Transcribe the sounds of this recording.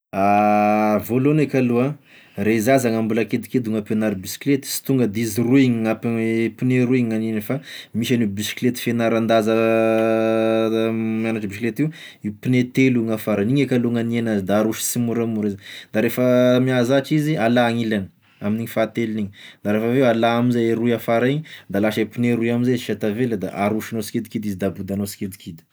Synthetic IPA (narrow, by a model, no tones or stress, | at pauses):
a | volonekʲalua | reizazaŋambulaked̪iked̪uŋapenaɾibisi̥klet̪i̥si̥t̪uŋɡəd̪iziruiŋiŋapipineɾuiɲŋanenefamiʃanibisi̥klet̪i̥fenaɾand̪azə | manaʈ͡ʂəbisiklet̪iu | ipinet̪eluŋafaɾaniɲekaluŋanienazd̪aːɾuʃi̥simuɾamuɾizd̪aɾefəmiazaʈ͡ʂizialaːŋilanə̥ | aminiɲifat̪eliniɲid̪aɾefəvewalaamizajeɾuiafaɾaiɲid̪alaʃepineɾuiaminzaʃat̪aveləd̪a̰ʔaɾuʃanosi̥ked̪ikid̪izid̪abud̪anosi̥kʲed̪i̥kʰid̪i̥